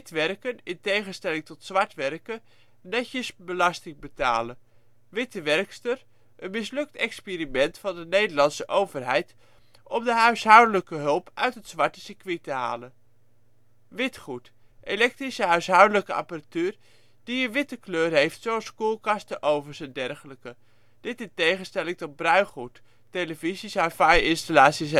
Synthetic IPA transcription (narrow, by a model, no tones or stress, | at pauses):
tʋɛrkənɪntejχənstɛlɪŋtɔtsʋɑɹtʋɛrkə | nɛcəsbəlɑstɪŋbəta̰ːlə | ʋɪtəʋɛrkstər | ʔənmɪslɵk̚tɛkspiːɾimɛntfɑndənejdəɹlɑnsəʔowvərɦɛjt | ʔɔmdəɦœɥsɦʌwdələkəɦɵlˠpœ̰ɥtɦətsʋɑɹtəsikʋitəɦa̰ːlən | ʋɪtχut | ʔelɛk̚trisəɦœɥsɦʌwdələkəʔɑ̰pəratyːr | d̥iənʋɪtəkløːrɦejftsowɑlˠskuːlˠkɑstəʔowvəɹzəndɛrχələkə | d̥ɪtɪntejχənstɛlɪŋtɔt̚brœɥχutː | eləvizisafajɪnstalaːtsis